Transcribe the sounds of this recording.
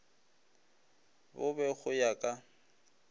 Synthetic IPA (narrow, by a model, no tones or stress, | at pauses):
bʊbɛɣʊjakʼa